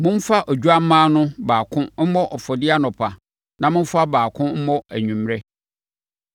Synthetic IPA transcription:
mʊ̃˦n˦fa˦ʔɔ˨d͡ʑᶣu˦a˦m̩˦mãː˦nʊ̃˦baː˨kʰʊ̃˦m̩˦mɔ˦ʔɔ˨fɔ˨dɪ˦a˦nʊ̃˨pʰa˨ | nã˨mʊ̃˦ɱ˦fa˦baː˨kʰʊ̃˦m̩˦mɔ̃˦æ̰˨ɲᶣũ˨mɾɛ˦

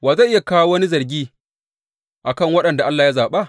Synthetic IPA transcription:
waː˨za˦ʔɪ˦ja˨kaː˦wa˦wɐ˦ni˦zɐ˨rɡʲiː˦ | ʔa˨kɐ˦˨ŋwɐ˦ɗɐ˨nda˨ʔa˦lːaː˨ja˦zaː˨ɓa˦˨ʔ

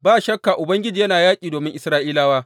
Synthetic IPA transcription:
baː˦˨ʃɐ˦kːaː˨ʔʊ˨bɐ˦ŋɡʲɪ˦d͡ʒiː˨jɐ˦naː˨jaː˦kʲʼiː˨doː˨mɪ˦ŋʔɪ˨sɾaː˦ʔiː˦laː˦waː˦

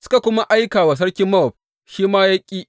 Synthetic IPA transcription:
sʊ̥˦ka˨kʷʊ˦ma˦ʔa˦jkaː˨wa˨s̬ɐ˦ɽkʲɪ˦mːɐ˦ɔ˨b̚ | ʃiː˦maː˦ja˦kʲʼːiː˦ʔ

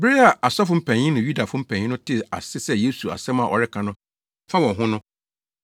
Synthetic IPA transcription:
bɾɪ˦a˨ʔa˨sɔ˦f̬ʊ̃˦m̩˦pʰɛ̃˨ɲĩ˦nʊ̃˨ju˦da˨fʊ̃˦m̩˦pʰæ̃˨ɲ̃ĩ˦nʊ̃˦tʰɪ˨a̰˨sɪ˦sɛ˦je˦su˨a̰˨sɛ̃˦mã˨ʔɔ̰˨ɾɪ˦kʰã˨nʊ̃˦ | fa˦wɔ̃˨ɦʊ̃˦nʊ̃˦

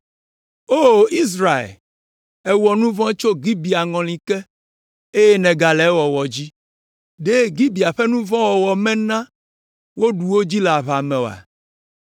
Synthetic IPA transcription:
o˦i˦s̬ɾa˨ḛ˨l | ɛ˦wɔ˨nũ˦vɔ̃˦t͡ʃo˦ɡi˦bi˨a˨ŋɔ̃˨l̃ĩ˨kɛ˦ | e˦je˦nɛ̃˨ɡa˨lɛ˨˦wɔ˨wɔ˨d͡ʑi˦ | ɖe˦ɡi˦bi˨a˨ɸɛ˦nũ˦vɔ̃˦wɔ˨wɔ˨mɛ̃˦nã˦ | wo˦ɖu˨wo˦d͡ʑi˦le˨a˨βa˨mɛ̃˨o˨a̰˨

